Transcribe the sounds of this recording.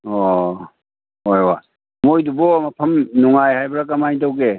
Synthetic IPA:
ɔ | ojwa̰ | mojdubɔmapʰəmnuŋajhajbɾakamajtawɡe

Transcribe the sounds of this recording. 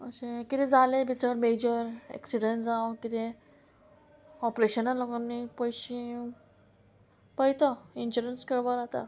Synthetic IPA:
əɕẽkit̪ed͡zalebʱit͡səɾmed͡ʑəɾɛ̰ksiɖənd͡zawkit̪ẽ | ɔpɾeɕənalːoɡanːipəjɕĩ | pəjt̪ɔinɕuɾənskəɽʋəɾat̪a̰

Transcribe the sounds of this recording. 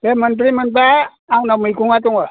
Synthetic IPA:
temənt̬ɾimənp̬aː | wnamɯjkʰuŋatuŋa

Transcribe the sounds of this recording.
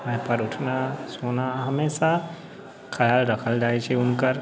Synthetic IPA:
mɛ̃ɦpəɾʊʈʰnasoːnaɦɐmeːsa | kʰɐjaːlɾɐkʰəld͡ʒaːet͡ʃʰiʊnkəɾ

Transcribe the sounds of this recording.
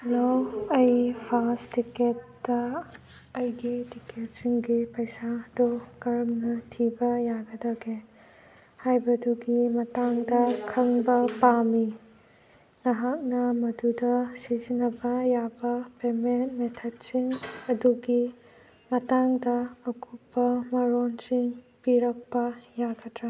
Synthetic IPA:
ɾoɐjpʰastiket̚d̥ɐː | jɡitiket̚siŋɡipɐjsadɔkɐɾɐmnɐtʰibɐjaɡɐdaɡe | hajbɐduɡimɐtaŋdɐkʰɐŋbɐpami | ŋɐɦak̚nɐmɐdudɐsizinɐbɐjabɐpementmetʰɐt̚siŋɐduɡi | mɐtaŋdɐɐkupːɐmɐɾonsiŋ | piɾɐk̚pɐjaɡɐtɾa

